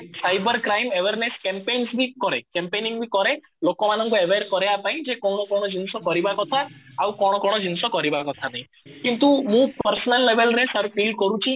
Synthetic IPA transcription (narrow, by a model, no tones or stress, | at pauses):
sajbəɾkɾaimeʋeɾneskempejnsbʱikɔɾekẽmpenĩŋɡbʱikɔɾe | lokomanə̃ŋkoeʋeɾkɔɾejapaĩd͡ʒekɔɽ̃okɔɽ̃od͡ʒinsokɔɾibakɔt̪ʰaaũkɔɽ̃okɔɽ̃od͡ʒinsokɔɾibakɔt̪ʰanəɦĩ | kint̪uɦũpəɾsnəlːeʋelnesəɾpilɖ̚kɔɾũt͡ʃʰĩ